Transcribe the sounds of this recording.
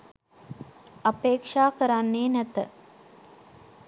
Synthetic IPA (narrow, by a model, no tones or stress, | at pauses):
apeːkʂaːkəɾanːeːnæt̪ə